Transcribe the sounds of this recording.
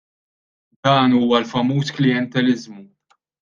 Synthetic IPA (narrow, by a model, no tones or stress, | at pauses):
d̪ɐːnuːɐlfɐmuːsklɪjɛnt̪ɛlɪzmu